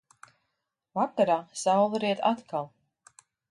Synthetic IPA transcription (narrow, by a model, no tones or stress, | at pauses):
vakaɾaːsawlˠɾiɛt̪at̪kalˠ